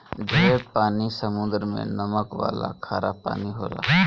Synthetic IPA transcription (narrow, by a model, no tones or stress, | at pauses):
d͡ʒʱəepaːnisəmʊ̃nd̪əɾmḛ̃nəməkʋa̰ːla̰kʰaːɾapa̰ːniɦoːla̰ː